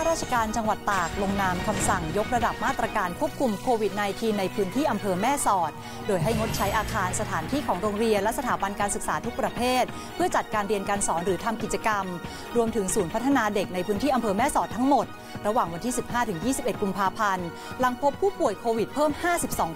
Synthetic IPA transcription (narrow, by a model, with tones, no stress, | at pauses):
a˥ɾaː˥˩t͡ɕʰa˧kaː˧nt͡ɕa˧ŋwa˨˩t̪ːaː˨˩k̚lo˧ŋnaː˧mkʰa˧msa˨˩ŋjo˦˥k̚ɾa˧da˨˩p̚maː˥˩t̪ɾa˧kaː˧nkʰu˥əp̚kʰu˧mkʰoː˧wi˨˩t̪̚naː˧jt̪ʰiː˧nːa˧jpʰɯː˦˥nt̪ʰiː˥˩ʔa˧mpʰɤː˧mɛː˥˩sɔː˨˩t̪̚ | doː˧jɦa˥˩jŋo˦˥t̪̚t͡ɕʰa˦˥jʔaː˧kʰaː˧nsa˧t̪ʰaː˩˦nt̪ʰiː˥˩kʰɔː˩˦ŋɾoː˧ŋɾi˧ənlɛ˦˥sa˧t̪ʰaː˩˦ba˧nkaː˧nsɯ˨˩k̚saː˩˦t̪ʰu˦˥k̚pɾa˧pʰeː˥˩t̪̚ | pʰɯ˥˩ɐt͡ɕa˨˩t̪̚kaː˧nɾi˧ənkaː˧nsɔː˩˦nɾɯː˩˦t̪ʰa˧mki˨˩t͡ɕa˧ka˧m | ɾu˧əmt̪ʰɯ˨˩˦ŋsuː˩˦npʰa˦˥t̪ʰːa˧naː˧de˨˩k̚na˧jpʰɯ˦˥nt̪iː˥˩a˧mpʰɤː˧mɛː˥˩sɔː˨˩t̪ʰːa˦˥ŋmo˨˩t̪̚ | ɾa˧waː˨˩ŋwa˧nt̪ʰiː˥˩si˨˩p̚haː˥˩t̪ʰɯ˨˩˦ŋjiː˥˩si˨˩pʔe˨˩t̪̚ku˧mpʰaː˧pʰa˧n | la˧ŋpʰo˦˥p̚ʰuː˥˩pu˨˩əjkʰoː˧wi˨˩t̪̚pʰɤː˥˩mhaː˥˩si˨˩p̚sɔː˩˦ŋ